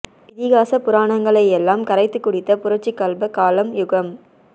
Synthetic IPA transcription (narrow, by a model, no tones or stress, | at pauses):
ɪðɪɣaːsɐpʊɾaːɳɐŋɡɐɭɐjɛlːaːmkɐɾɐɪt̪ːɯkːʊɽɪt̪ːɐpʊɾɐt͡ʃːɪkːɐlbɐkaːlɐmjʊɣɐm